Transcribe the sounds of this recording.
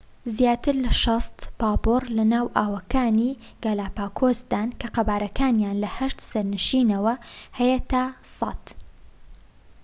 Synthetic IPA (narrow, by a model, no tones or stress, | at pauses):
zjaːt̪ɨɾlɐʃɑst̪paːborlɐnaːwʔaːwɐkaːniːɡɐlaːpaːkʰoːsd̪aːnkʰɐqɐbaːɾɐkʰaːnjaːnlɐhɐʃt̪sɐɾnɨʃiːnɐwɐhɐjet̪ʰɐsɑ̰t̪